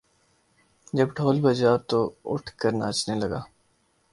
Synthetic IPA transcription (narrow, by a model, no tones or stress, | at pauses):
d͡ʒɐbʈʰoːlbɐd͡ʒat̪oʊ̰ʈʰkɐɾna̰ːt͡ʃnelɐɡaː